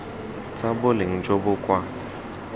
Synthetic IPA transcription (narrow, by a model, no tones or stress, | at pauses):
t͡sʼabʊlɪŋ̩d͡ʒobʊkʼwa